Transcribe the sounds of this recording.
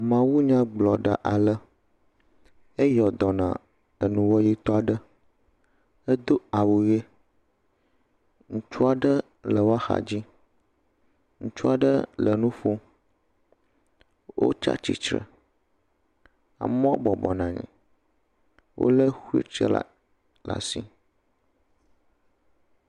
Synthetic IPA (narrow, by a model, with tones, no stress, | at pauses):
mã˨wu˦ɲã˦ɡ͡blɔ˨ɖa̰˨ʔa˨lə˦ | e˦jɔ˨d̪ɔ˨nã̰˨ | ə˨nũ˨wɔ˦ji˦t̪ɔ˦a˨ɖə˦ | ə˦d̪o˦a˨wu˨je˦ | ŋũ˦t͡ʃu˦a˨ɖə˦ | lə˨wo˦a˦xa̰˨d͡ʑi˦ | ŋũ˦t͡ʃu˦a˨ɖə˦lə˨nũ˦fo˦ | wʔo̰˦t͡ʃa̰˦t͡ɕḭ˨t͡ʃɾə̰˨ | a̰˨mɔ̃˦o˦bɔ˨bɔ˨nã˨ɲɛ̰̃˨ | wʔo̰˦lə˦xu˦ḛ˦t͡ʃə̰˦la̰˨ | la̰˨si˦